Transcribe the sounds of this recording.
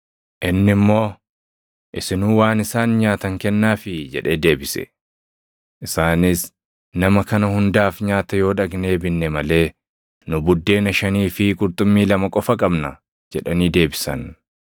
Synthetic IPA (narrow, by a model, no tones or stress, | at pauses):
ʔɪnːɪmːo̞ː | ʔɪsɪnuːwaːnɪsaːnɲaːt̪ɐŋkɛnːaːfɪd͡ʒɛ̰ᶑeːd̪e̞ːbɪsɛ̰ | ʔɪsaːnɪs | nɐmɐkɐnɐhʊnd̪aːfɲaːt̪ɐjo̞ːᶑɐɡne̞ːbɪnːɛmɐle̞ː | nʊbʊd̪ːe̞ːnɐʃɐniːfɪkʼʊɾt̪ʼʊmːiːlɐmɐkʼɔfɐkʼɐbnɐ | d͡ʒɛᶑɐniːd̪e̞ːbɪsɐ̰n